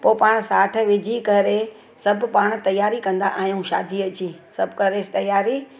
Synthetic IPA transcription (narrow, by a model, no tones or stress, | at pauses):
poːpaːɽ̃saːʈʰə̆ʋɪd͡ʑʱikɐɾe | sɐbpaːɽ̃t̪ɐjaːɾikɐ̃nd̪aʔaːɦijũʃa̰ːd̪ʱiəd͡ʑiːsɐbʱkɐɾest̪ɐjaːɾi